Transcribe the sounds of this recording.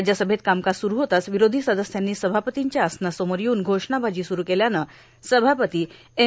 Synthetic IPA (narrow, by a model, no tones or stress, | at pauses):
d͡ʑjasəbʱet̪̚kamkasuɾuɦot̪asʋiɾod̪ʱisəd̪əsjanːiːsəbʱapət̪iɲt͡ɕjaːsnasoməɾjuːnɡʱoʂɳabʱad͡ʑiːsuɾuːkeljanə | səbʱapət̪iː | e